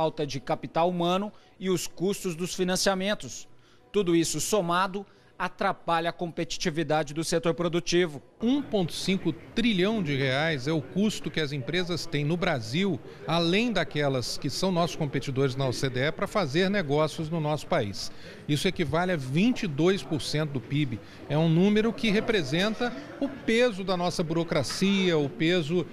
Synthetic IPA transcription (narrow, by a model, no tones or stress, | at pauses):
awt̪ɐd͡ʒɪkapit̪awumɐ̃nʊ | ɪʊskust̪ʊzd̪ʊsfinɐ̃siamẽnt̪ʊs | t̪ud̪ʊisʊsomad̪ʊ | at̪ɾapaʎɐːkõmpet͡ʃi̥t͡ʃivid̪ad͡ʒɪd̪ʊset̪oɾpɾod̪ut͡ʃivʊũpõnt̪ʊ̥sĩkʊt̪ɾiʎɐ̃w̃d͡ʒɪheajzɛʊkust̪ʊkɪɐzẽpɾezɐst̪ẽj̃nʊbɾaziw | alẽj̃d̪akɛlɐskɪsɐ̃w̃nɔsʊ̥skõpet͡ʃid̪oɾɪznɐɔsed̪eɛpɾɐfazeɾneɡɔsiʊznʊnɔsʊ̥paḭs | isʊɛkɪvalɐvĩnt͡ʃid̪ojspʊɾsẽnt̪ʊd̪ʊpibɪ | ɛũnũmeɾʊkɪɦepɾezẽnt̪ɐ | ʊpezʊd̪ɐnɔsɐbuɾokɾasiɐʊpezʊ